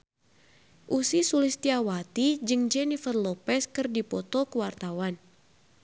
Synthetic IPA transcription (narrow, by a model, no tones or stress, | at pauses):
ʔusisulist̪iawat̪id͡ʒɨŋd͡ʒɛnifərlɔpɛskɨrdipɔt̪ɔkəwart̪awan